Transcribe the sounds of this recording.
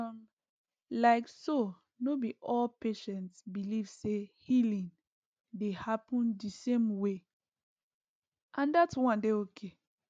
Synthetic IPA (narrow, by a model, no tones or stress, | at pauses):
laɪkso | nobiʔɔlpeʃɛ̃ntsbilivsehilĩŋ | dehapɔ̃ndisẽmwe | ʔãndatwãndeokʰe